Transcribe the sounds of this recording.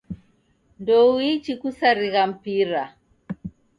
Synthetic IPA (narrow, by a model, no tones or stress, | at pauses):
ndɔwit͡ʃikusaɾiɣam̩piɾa